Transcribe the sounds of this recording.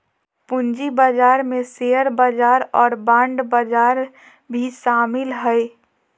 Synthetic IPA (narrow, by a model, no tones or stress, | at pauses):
pʊnd͡ʒibad͡ʒaːɾmẽsejəɾbəd͡ʒaːɾɔːɾbãːɳɖbəd͡ʒaːɾ | bʱiʃaːmɪlɦəe